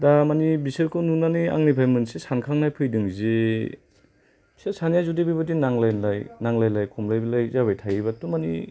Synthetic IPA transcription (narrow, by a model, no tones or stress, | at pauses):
damanibisɯɾkʰɯnunania̰ŋnipʰajmɯnsisankʰaŋnajpʰɯjdɯŋzi | b̥iseɾsanjazudibibɯdinaŋlajnlajnaŋlajlajkʰumlajbilajzaβajtʰajibatumanḭ